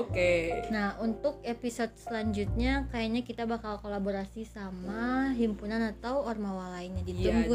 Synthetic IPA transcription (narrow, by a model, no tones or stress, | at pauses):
okenahunt̪ʊk̚episot̪̚səlaɲd͡ʒut̪̚ɲakajaɲakit̪abakalkolaboɾasisamaɦimpunanat̪awɔrmawalainɲadit̪uŋɡu